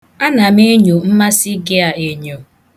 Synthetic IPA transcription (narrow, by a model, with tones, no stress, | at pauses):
a˦na˨me˦ɲu˨m̩˦ma˦sɪ˦ɡɪ˦a˨e˨ɲo˨